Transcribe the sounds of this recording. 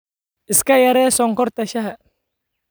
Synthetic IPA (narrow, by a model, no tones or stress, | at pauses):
ɪskɐjɐɾɛːsɔŋkɔrt̪ɐʃɐɦa